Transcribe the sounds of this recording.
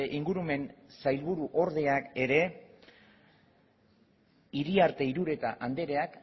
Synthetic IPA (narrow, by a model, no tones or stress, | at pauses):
ʔiŋɡuɾume̞nsajlβuɾuʔo̞ɾð̞e̞ake̞ɾe̞ | iɾiaɾt̪e̞iɾuɾe̞t̪aʔand̪e̞ɾe̞ak